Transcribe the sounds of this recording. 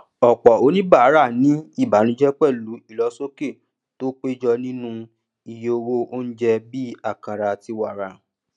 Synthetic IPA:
ɔ˨k͡pɔ˨o˨˦nĩ˦ba˦˨a˨˦ɾa˦˨nĩ˨˦i˦˨ba˨˦nĩ˧˦d͡ʒɛ˦k͡pɛ˦˨lu˨˦i˦˨lɔ˨˦so˦ke˦˨ | to˦k͡pe˦d͡ʒɔ˧nĩ˦nũ˦ | i˧je˦˧o˧wo˦o˦ñ̩˦d͡ʒɛ˧bi˦a˦˨kã˨ɾa˧ti˧wa˦˨ɾa˨

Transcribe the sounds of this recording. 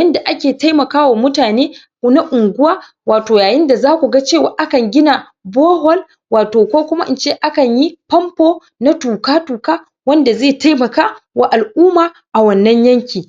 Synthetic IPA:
ɐ˦nda˨ʔa˦kʲeː˨ta˦jmɐ˨kaː˦wa˨mʊ˦taː˨neː˦ | na˦ʔʊ˨ŋɡʷʊ˦waː˦ | waː˨toː˨jaː˨jɪ˦nda˨zaː˦kʷu˨ɡa˦t͡ʃeː˦˨waː˨ʔa˦kɐ˨ŋɡʲɪ˦na˨ | boː˦ɦɔ˦l | waː˨toː˨kʷoː˦kʷʊ˦ma˦ʔɪ˦nt͡ʃeː˦˨ʔa˦kɐ˨ɲji˦pɐ˦mpoː˦ | na˦tuː˨kaː˦tuː˨kaː˦ | wɐ˦nda˨zeː˦˨ta˦jmɐ˨kaː˦wa˨ʔa˨lʔuː˦maː˨ | ʔa˨wɐ˨nːɐ˦ɲjɐ˦ŋkʲiː˨

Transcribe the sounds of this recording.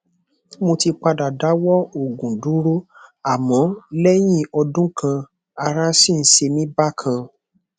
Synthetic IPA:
mo˧ti˧k͡pa˧da˨da˨˦wɔ˦o˨ɡũ˨du˨˦ɾo˦a˨mɔ̃˨˦lɛ˦j̃ĩ˦ɔ˧dũ˦kʰã˧ | a˧ɾa˦si˦˨n̩˦ʃe˧nĩ˦ba˦˨kʰã˧

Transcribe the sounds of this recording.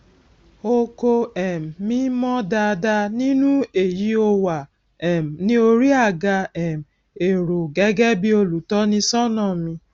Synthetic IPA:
o˦˧ko˧ɛ˨m̩˨mĩ˦mɔ̃˦da˧da˧nĩ˦nũ˦e˨ji˦o˧wa˨ | ɛ˨m̩˨nĩ˦o˧ɾi˦a˦˨ɡa˧ɛ˨m̩˨ | e˨ɾu˨ɡɛ˨˦ɡɛ˦bi˦o˧lu˨tɔ˦nĩ˧sɔ˦nɔ̃˦˨mĩ˧

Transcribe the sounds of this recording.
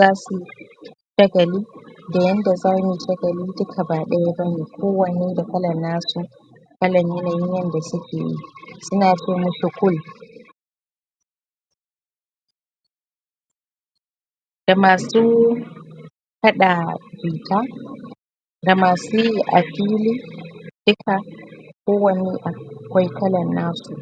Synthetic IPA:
zaː˦su˨ʃɐ˦ɡɐ˨liː˦da˨jɐ˦nda˨zaː˦mu˨ʃɐ˦ɡɐ˨li˦dʊ˦kʰa˨baː˨ɗɛ˦ja˦bɐ˦ni˨kʷʰoː˦wɐ˨ne˦da˨kɐ˦lɐ˨nːaː˦su˨ | kɐ˦lɐ˨ɲjɛ˦naː˨jɪ˦ɲjɐ˦nda˨sʊ˦kʲʰḛ˨ḭ˦sʊ˦naː˨t͡ʃe˦˨mu˦sʊ˨kʷʊ˦l | ɡ̥a˨maː˨su˦ | kɐ˦ɗa˨biː˨ta˦ | ŋɡa˨maː˨su˦ʔa̰˨kiː˦li˦d̥ʊ˦kʰa˨koː˦wɐ˦ni˦ʔa˨kʷa˦jkɐ˦lɐ˨nːaː˦su˨

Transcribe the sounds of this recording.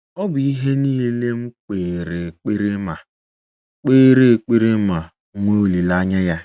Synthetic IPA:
ɔ˦bʊ˨i˦ɦe˦niː˦le˦m̩˦k͡peː˨ɾe˨k͡pe˦ɾe˦ma˨ | k͡peː˦ɾe˦˨k͡pe˦ɾe˦ma˨˦ | ŋʷo˦˨li˨la˦ɲa˦ja˦

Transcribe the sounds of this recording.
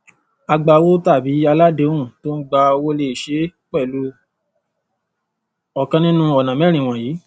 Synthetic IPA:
a˧ɡ͡ba˧wo˦ta˦˨bi˨˦a˧la˦de˨˦wũ˦˨to˦n̩˦ɡ͡ba˧o˧wo˦le˧˨ʃe˨˦k͡pɛ˦˨lu˦ | ɔ˨kã˧nĩ˦nũ˦ɔ˨nã˨mɛ˦ɾ̃ĩ˨w̃ɔ̃˨jiː˨˦

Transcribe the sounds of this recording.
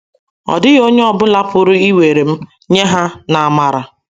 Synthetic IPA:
ɔ̰˨dɪ˦ɣo˦ɲe˦ɔ˦bʊ˦la˦pʊ˦ɾʊ˦i˦we˨ɾe˨m̩˦ | ɲe˦ɦa˦na˨a˨ma˨ɾa˨

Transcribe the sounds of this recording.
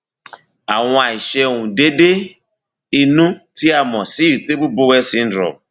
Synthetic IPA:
a˨ŋʷ˦a˨i˨ʃe˦ŋʷũ˨de˦de˦ | i˨nu˦ti˦a˨m˨ɔ˨si˦ɾi˨te˦bu˦bo˦we˦si˦n̩˦dɾɔ̰˨m˨

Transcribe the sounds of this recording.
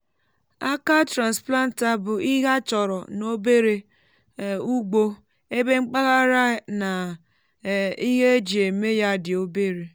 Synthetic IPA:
a˦ka˦tɾa˨nspla˦n̩˨ta˦bʊ˨i˦ɦa˦t͡ʃɔ˨ɾɔ˨no˦be˦ɾe˨ | u˦ɡ͡bo˦ | e˦be˦ŋ͡m̩˦k͡pa˦ɣa˦ɾa˦na˨ | i˦ɦe˦d͡ʒi˨e˨me˦ja˦dɪ˨o˦be˦ɾe˨

